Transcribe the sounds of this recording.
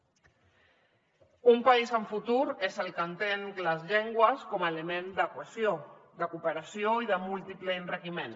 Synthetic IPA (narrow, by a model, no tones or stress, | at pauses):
umpaizəɱfut̪uɾezəlˠkənt̪eŋləzʎeŋɡwəskɔmaelemend̪əkwəsjod̪əkupəɾasjoiðəmulˠt̪ipləinrəkimen